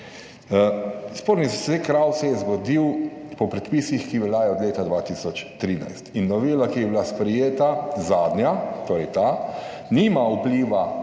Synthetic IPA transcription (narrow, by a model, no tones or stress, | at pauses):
spoːɾnizsekɾawsɛjɛzɡɔd̪iwpɔpɾɛt̪piːsixkiʋɛljaːjɔɔd̪leːt̪ad̪ʋaːt̪isɔt͡ʃt̪ɾiːna̰jst̪inːɔʋeːlakiɛbilaspɾɛjeːt̪azaːd̪nʲjat̪oːɾɛjt̪a | nimaupliʋa